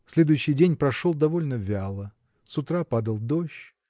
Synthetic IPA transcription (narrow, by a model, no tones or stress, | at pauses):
sʲlʲed̪ʊjʉɕːɪjdʲenʲpɾɐʂolˠd̪ɐvo̞lʲnəvʲalˠə | sʊt̪ɾapad̪əlˠd̪oɕ